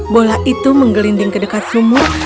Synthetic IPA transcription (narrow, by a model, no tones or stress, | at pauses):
bolaʔit̪uməŋɡəlindiŋkədəkat̪̚sumʊr